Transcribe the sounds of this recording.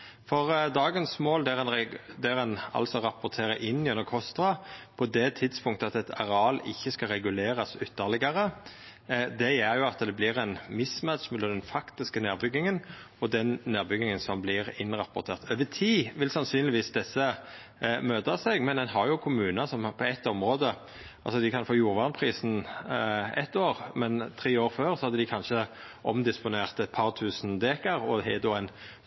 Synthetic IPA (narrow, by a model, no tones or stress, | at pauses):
fɔʁd̪ɑːɡənsmoːld̪ɛɾɛnd̪ɛɾɛnɑ̰lsɔʁɑpʊʁt̪ʰeːʁəʔɪnːɪʉnːəkʰɔst̪ʁɑpʰɔd̪ɛt̪ʰɪd̪spʰʊŋkt̪əɑt̪ɛt̪ʰɑ̰ʁɛɑlɪ̰çːəskɑɾɛɡʉleːɾɑsʏt̪ʰːəʁlɪɡɑʁə | d̪ɛɛɾjʊɑt̪d̪ɛblɪʁɛnmɪsmæt̪ʃmɛlɑd̪ɛnfɑkt̪ɪskəneːʁbʏɡːɪŋən | ɔd̪ɛnneːʁbʏɡɪŋənsɔmblɪʁɪnʁɑpʊɾt̪ʰeːʁt̪ʰøːʋət̪ʰiːʋɪlsɑnsyːnlɪʋiːsd̪ɛsːə | møːt̪ɑsɛɡmɛnd̪ɛnɦɑɾjʊkʰʊmʉːnɑsɔmpʰɔɛt̪ːɔmɾoːd̪ə | ɑlsɔd̪ɪkʰɑnfoːjuːɾʋɑːʁnpʰɾiːsn̩ | ɛ̰t̪ːoːʁmɛnt̪ʰɾiːoːɾføːʁsɔhɑd̪ːəd̪ɪkʰɑnʃə | ʔɔmd̪ɪspʊneːʁt̪ɛt̪̚pʰɑɾt̪ʰʉːsnd̪eːkɑɾɔhɛd̪oːɛn